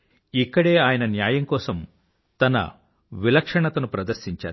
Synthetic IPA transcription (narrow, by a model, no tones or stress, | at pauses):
ikːɐɽe̞ːaːjɐnɐnjaːjɐŋkɔːsɐm | t̪ɐnɐ̰ | ʋilɐkʂɐɳɐt̪ɐnupɾɐd̪ɐɾʃiɲt͡ʃa̰ː